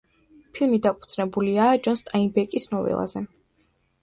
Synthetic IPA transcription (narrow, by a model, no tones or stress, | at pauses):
pʰilˠmid̪apʰʼu̥d̪z̥nɛbuliaːd͡ʒɔnst̪ʼainbɛkʼisnɔvɛ̰lˠa̰zɛ